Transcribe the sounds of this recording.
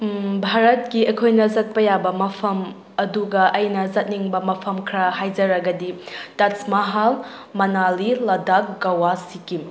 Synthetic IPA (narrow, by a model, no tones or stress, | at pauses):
bʱaɾɐt̚kiɐkʰojnɐzɐt̚pɐjabɐmɐpʰɐm | ɐduɡɐʔɐjnɐzɐt̚niŋbɐmɐpʰɐmkʰɾɐhajd͡ʒɐɾɐɡɐditɐsmɐɦal | mɐnalilɐdak̚ɡɐwasiki